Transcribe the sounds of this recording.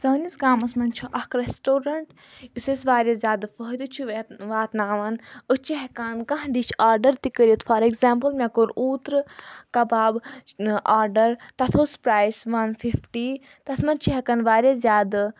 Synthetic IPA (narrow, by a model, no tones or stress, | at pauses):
sɐːnisɡaːmɐsmɐnt͡ʃʰuʔɐhkɾesʈoːɾɐɳʈ | usesʋaːɾjɐzʲaːd̪ɨfəɦd̪ut͡ʃʰuʋʋaːt̪naːʋɐnət͡ʃʰiɦɛkaːnkɐ̃ɦɖit͡ʃʰaːɾɖɐɾt̪ikəɾʲjət̪fɐɾeɡzaːmpəlmʲekoɾuːt̪ɾɨkɐbaːbʔaːɾɖɐɾt̪ɐt̪ʰoːspɾaːjsʋɐnfifʈi | t̪ɐsmɐnt͡ʃʰiɦɛkɐnʋaːɾʲjazʲjaːd̪ɨ